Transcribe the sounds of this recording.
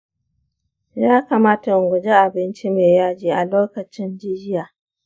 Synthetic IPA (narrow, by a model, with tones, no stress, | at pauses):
jaː˦kaː˨maː˦ta˨ɡʷʊ˨d͡ʒe˦ʔa˨bɪ˦nt͡ʃi˦meː˨jaː˦d͡ʒiː˨ʔa˨loː˦kɐ˨t͡ʃɪ˦nd͡ʒɪ˦d͡ʒɪ˦jaː˨